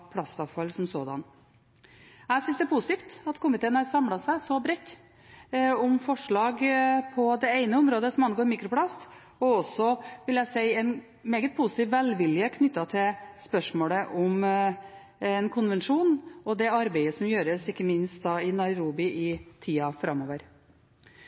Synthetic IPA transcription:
pʰlɑst̪ɑʋfɑlsɔmsoːd̪ɑ̰n | æsʏnsd̪ɛpʰʊsɪ̥t̪iːft̪ɑt̪kʰʊmːɪt̪ɛnhɑɾsɑmlɑsæɪsɔbɾɛt̪ː | ɔmfɔʂɭɑːɡpʰɔd̪ɛeɪnəɔmɾoːd̪əsɔmɑnɡoːɾmiːkɾʊpʰlɑst̪ | ɔɔsːɔʋɪljæsɛɪɛn | meːɡət̪̚pʰʊsɪt̪iːʋʋɛlʋɪljəkʰnʏt̪ːɑt̪ʰɪlspœʂmoːləʔɔm | ɛnkʰʊnʋɛnʂuːnɔd̪ɛɑɾbeɪəsɔmjøːɾəsɪkːəmɪnst̪̚d̪ɑːɪnɑɪɾuːbɪʔɪt̪ʰiːɑfɾɑmːoːʋəɾ

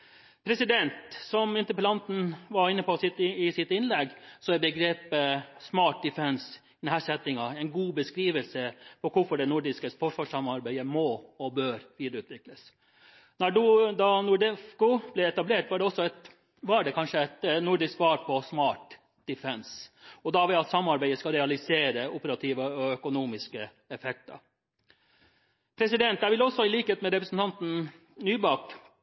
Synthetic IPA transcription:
pʰɾɛsɪd̪ɛnt̪sɔmɪnt̪əplɑnt̪n̩ʋɑɾɪnːəpɔsɪt̪ɪsɪt̪ɪnlɛɡsɔæɾbəɡɾeːpəsmɑːʈ̚d̪ɪfɛnsɪd̪ɛnhæsɛt̪ːɪŋɑɛɪnɡuːbəskɾiːʋəlsəpʰɔkʰʊfɔɖɛnʊɖɪskəsfɔʂʋɑːʂɑmɑɾbæɪəmɔɔbøːɾʋiːd̪ɾəʉːt̪ʰʋɪkləs | nɔɖʉd̪ɑnʊɖɛfkʊb̥lɛɛt̪ɑbleːʈʋɑːɖɛɔsːɔɛt̪ | ʋɑːæɖɛkʰɑnʂəɛt̪nʊɖɪskʋɑːɾpʰɔsmɑːʈ | d̪̥ɪfɛnsɔd̪ɑʋɛɑt̪sɑmːɑɾbæɪd̪əskɑlɾɛɑlɪseːɾəʊpəɾɑt̪ʰiːʋəɔœkʊnuːmɪskə | ɛfɛk̚t̪ɑ̰ | pʰɾɛsɪd̪ɛnt̪jæʋɪlɔsːɔɪliːkəheːt̪mɛɾɛpɾəsn̩t̪ɑnt̪n̩ | nyːbɑk

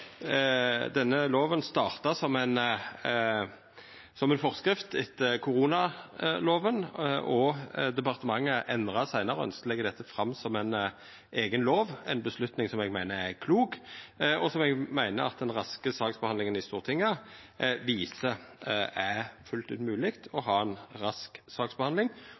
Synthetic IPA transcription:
d̪ɛnːəloːʋənst̪ɑːʁt̪ɑsɔmæɪn | sɔmɛɪnfɔʁskɾɪft̪ɪt̪kʰʊʁuːnɑloːʋənʔɔd̪ɛpɑʁt̪əmɑŋːəʔɛnd̪ʁɑsæɪnɑɾəœ̰nskəlɛɡəd̪ɛt̪ʰːəfʁɑmːsɔmæn | ʔeːɡənloːʋæɪnbəslʉt̪nɪŋsɔmɛɡmæɪnəʁæʁkʰluːɡɔsɔmɛɡmæɪnə̰ɾɑ̰t̪̚d̪ɛnʁɑskəsɑːksbəɑnlɪŋənɪst̪uːʁt̪ʰɪŋːə | ʋiːsə | æfʉlt̪ʉ̰ːt̪mʉːlɪkt̪ʰɔɦɑːɛnʁɑsksɑːksbɛhɑnd̪lɪŋ

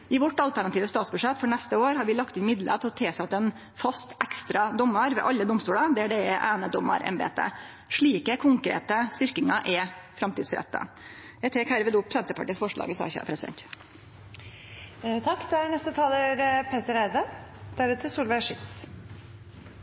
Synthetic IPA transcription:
ɪʋɔʈːɑlt̪æɳɑt̪iːʋəst̪ɑːt̪sbʉʂɛt̪ːfɔɳɛst̪əoːɾhɑɾʋɪlɑkt̪ɪnmɪd̪ləət̪ʰɔt̪ʰeːsɑt̪ːɛn | fɑst̪ʔækst̪ɾɑd̪ɔmːɑɾʋɛ̰ːʔɑʎːəd̪ɔmst̪uːlɑd̪ɛæɖɛɛʔæːnəd̪ɔmːɑ̰ɾʔɛ̰mbḛːt̪ə̰ | ʂɭiːkəkʰʊŋkɾḛːt̪əst̪ʏɾkɪŋɑʔɛfɾɑmt̪ḭːd̪sɾɛ̰t̪ːə̰ | jæɪt̪ʰɛkhæɾʋɪːd̪ʊpːsɛnt̪əpɑʈiːsfɔʂɭɑ̰ːɡəsɑ̰ːçə̰ːpʰɾɛsɪd̪ɛ̰nt̪ | t̪ʰɑkːd̪ɛænɛst̪ət̪ʰɑːləɾpʰeːt̪əɾæɪʋəd̪̥æɾʉt̪ʰəsuːlʋæɪʂɪt̪s

